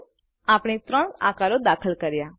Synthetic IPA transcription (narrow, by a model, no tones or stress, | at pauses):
aːpɽ̃it̪ɾəɳ̃a̰ːkaɾod̪aːkʰəlkəɾjaː